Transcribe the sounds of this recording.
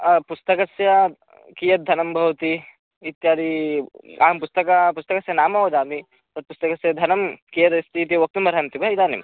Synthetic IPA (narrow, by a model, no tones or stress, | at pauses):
pust̪ɐkɐsjɐ | kijɐt̪̚d̪ʱɐnɐmbʱɐʋt̪i | it̪jaːd̪i | a̰ːɐmpust̪ɐkapust̪ɐkɐsjɐnaːmɐɦoːd̪aːmi | t̪ɐɾ̚pust̪ɐkɐsjɐd̪ʱɐnɐmkijɐt̪ɐst̪ʰit̪iʋɐk̚t̪umɐɾɐnt̪ibʱɐid̪aːnḭm